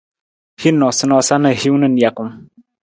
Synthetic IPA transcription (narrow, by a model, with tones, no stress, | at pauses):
hi˦nːɔ˨sɨ˦nɔ˦sa˦nɨ˨hi˦wnɨ˦˨n̩˨ja˨ku˨m